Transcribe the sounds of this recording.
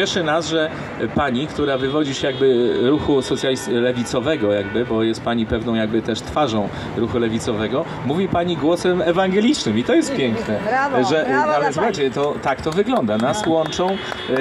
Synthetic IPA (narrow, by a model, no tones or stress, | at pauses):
ɛʂɛnasʐɛ | paɲikt̪uɾavɘvɔd͡ʑiɕɛjaɡbɘɾuxusɔt̪sʲjalʲislɛvʲit̪sɔvɛɡɔjaɡbɘbɔjɛst̪̚paɲipɛvnɔ̃w̃jaɡ̚bɘt̪ɛʂt̪faʐɔ̃w̃ | ɾuxulɛvʲit̪sɔvɛɡɔ | muvʲipaɲiɡwɔsɛmɛvaŋɡɛlʲit͡ʂnɘmit̪ɔjɛst̪̚pʲjɛŋknɛʐɛalɛsuxajt͡ɕɛt̪ɔt̪akt̪ɔvɘɡlɔnd̪anaswɔnt͡ʂɔ̃w̃